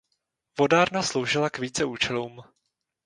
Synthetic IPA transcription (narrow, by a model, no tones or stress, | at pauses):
vo̞daːɾnaslowʒɪlakviːt͡sɛʔuːt͡ʃɛluːm